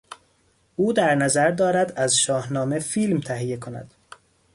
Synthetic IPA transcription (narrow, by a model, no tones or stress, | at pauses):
ʔuːd̪æɾnæzæɾd̪ɒːɾæd̪æzʃɒːhnɒːme̞fiːlmt̪ʰæɦije̞kʰonæ̰d̪̥